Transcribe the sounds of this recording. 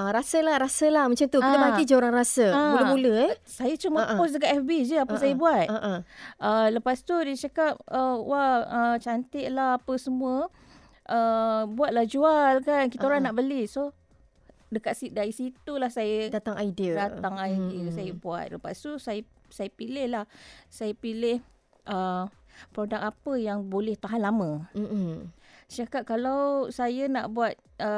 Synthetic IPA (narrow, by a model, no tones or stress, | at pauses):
aɾasəlahɾasəlahmət͡ʃamt̪uit̪əbaid͡ʒəoɾaŋrasəamuləmuləɛsajət͡ʃuməpɔs̬dəkaʔɛfbid͡ʒəapəsajəbuat̪̚aʔʔələpast̪udit͡ʃakap̚əwaət͡ʃant̪ɪʔ̚lahapəsəmuə | ʔəbuat̪̚lahd͡ʒualkankit̪əoɾanaʔbəliso | dəkat̪̚sidaɾisit̪ulahsajədat̪aŋaidiədat̪aŋaidiəsajəbua̰t̪̚ləpa̰susajə | sajəpilɪhlahsajəpilɪh | ʔə | pɾodak̚apəjaŋbolɛht̪aɦanlamə̃ | sakaʔ̚kalawsajənaʔbuat̪̚ | ə